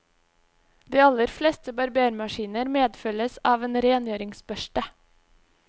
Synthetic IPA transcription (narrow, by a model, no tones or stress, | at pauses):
d̪iːɑləɾflɛːst̪əbɑɾbeːɾmɑʃiːnəɾmeːd̪fœləsɑːʋeːnɾeːnjøːɾɪŋsbœʃʈə